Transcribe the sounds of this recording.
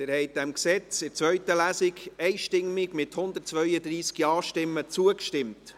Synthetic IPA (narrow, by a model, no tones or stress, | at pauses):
ɪːɾhɛɪt̚d̥̪ɛmksɛt͡sɪt͡sʋœɥtəlæːsɪɡɛɪʃtɪŋmːɪɡmɪthʊnd̪əɾt̚t͡svœʏəd̪ɾiːskiɑːʃtɪmːət͡suəkʃtɪmt